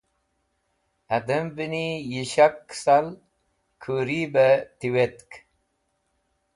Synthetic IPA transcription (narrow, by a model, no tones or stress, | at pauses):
ɐd̪əmbinijiɕaksal | kʰuɾibət̪iwet̪k